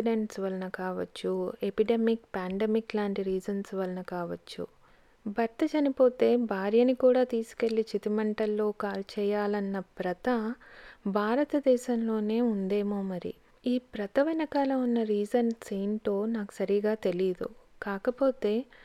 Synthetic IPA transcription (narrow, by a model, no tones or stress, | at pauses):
iɖeɳʈsʋɐlɐnɐkaːʋɐt͡ʃːuepiɖemikpaːɳɖemiklaːɳʈiɾiːd͡ʒɐnsʋɐlɐnɐkaːʋɐt͡ʃːṵ | bʱɐɾt̪ɐt͡ʃɐnipo̞ːt̪e̞ːbʱaːɾjɐnikuːɽaːt̪iːsu̥ke̞lːit͡ʃit̪imɐɳʈɐlːo̞ːkaːlt͡ʃɛːjaːlɐnːɐpɾɐt̪ɐ | bʱaːɾɐt̪ɐd̪ɛːʃɐmlo̞ːne̞ːund̪e̞ːmoːmɐɾḭ | iːpɾɐt̪ɐʋinɐkaːlɐunːɐɾiːd͡ʒɐnsiːnʈ̪o̞ːnaːku̥sɐɾiɡaːt̪e̞lid̪ṵkaːkɐpo̞ːt̪e̞ː